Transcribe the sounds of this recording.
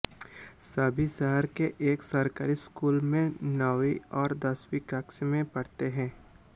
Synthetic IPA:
sɐbʱisəɦəɾkeʔeːksɐɾkaːɾiskuːlmẽnɐʋiɔːɾd̪ɐswikɐksmẽpɐɽt̪eɦɛ̃ː

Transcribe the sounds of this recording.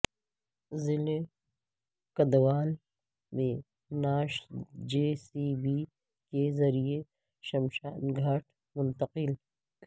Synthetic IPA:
zɪle | kɐd̪waːl | mẽ | naːʃd͡ʒeːsibi | kezɐɾie | ʃɐmʃaːnɡʱɐʈ̚ʰ | mʊnt̪ɐqɪl

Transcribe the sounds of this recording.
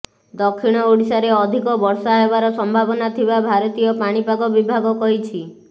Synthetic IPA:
d̪ɔkʰːiɽ̃ɔoɽisaɾeɔd̪ʱikɔbɔɾsaɦebaɾɔsɔmbʱabɔnat̪ʰibabʱaɾɔt̪ijɔpaɽ̃ipaɡɔbibʱaɡɔkɔɦit͡ʃʰi

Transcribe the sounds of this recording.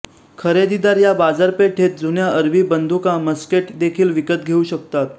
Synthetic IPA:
kʰəɾed̪id̪aɾjabad͡zaɾpeʈʰet̪̚d͡zunjaəɾbʱiːbənd̪ʱukãməskeʈd̪ekʰiːlʋikət̪̚ɡʱeuːɕək̚t̪at̪

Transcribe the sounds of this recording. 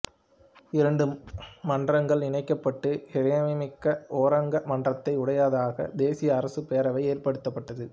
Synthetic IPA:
ɪɾɐɳɖɯmːɐndrɐŋɡɐɭɪnɐɪkːɐpːɐʈːɯhɪɾɐjɐmɪmɪkːɐʔoːɾɐŋɡɐmɐndrɐt̪ːɐɪʊɽɐjaːðaːɣɐ̰d̪eːsɪjɐːɾɐsɯpejːɾɐʋɐɪeːrpɐɽɯt̪ːɐpːɐʈːɐðɯ

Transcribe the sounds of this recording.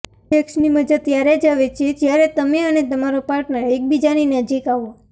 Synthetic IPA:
ʈeksniməd͡ʒəd̪̚t̪jaɾed͡ʒaʋet͡ʃʰed͡ʒjaɾet̪əmeənet̪əmaɾopaɾʈnəɾek̚bid͡ʒaninəd͡ʒikaʋo

